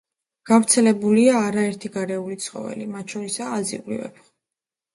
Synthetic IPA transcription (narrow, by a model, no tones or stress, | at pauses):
ɡ̥avɾt̪sʰɛlɛbuliaːɾaɛɾt̪ʰiɡaɾɛulit̪sʰχɔ̰vɛ̰limat̪̚ʰt͡ʃʰɔɾisaːzḭlḭvɛ̰b